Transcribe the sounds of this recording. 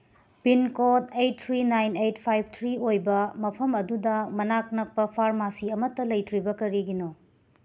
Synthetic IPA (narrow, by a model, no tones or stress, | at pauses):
pinkotejt̚t̪ʰɾinajnejtpʰajb̚ʰʱt̪ʰɾiojbɐmɐpʰɐmɐdudɐmɐnak̚nɐk̚pɐpʰaɾmasiɐmɐtːɐlɐjtɾibɐkɐɾiɡino